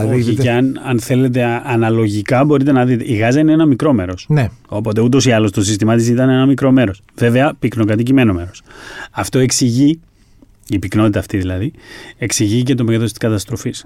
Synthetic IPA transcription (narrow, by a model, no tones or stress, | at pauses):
ieɐnɐnθe̞le̞t̪̬e̞ɐnɐlo̞ʝikɐbo̞ɾit̪e̞nɐðit̪eʔiɣɐzɐineenɐmikɾo̞me̞ɾo̞sneo̞po̞t̪e̞ut̪̬o̞siɐlo̞st̪o̞s̬ist̪imɐt̪isit̪ɐne̞nɐmikɾo̞me̞ɾo̞sve̞ve̞ɐpikno̞kɐt̪icime̞no̞me̞ɾo̞sɐft̪o̞e̞ksiʝi | ipikno̞t̪it̪ɐːft̪iðilɐðie̞ksiʝicet̪omeɣɐðo̞st̪i̥skɐt̪ɐst̪ɾo̞fis